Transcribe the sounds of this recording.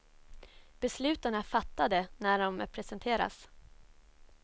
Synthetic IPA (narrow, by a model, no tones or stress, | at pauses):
b̥ɛslʉ̟ːt̪anafat̪ːad̪ənæɖɔmpʰɾɛsɛnt̪ʰeːɾa̰s